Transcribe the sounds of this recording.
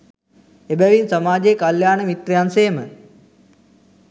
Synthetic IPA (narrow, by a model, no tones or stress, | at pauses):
ebæʋinsɐmaːd͡ʒeːkaljaːnəmit̪ɾejansejəmə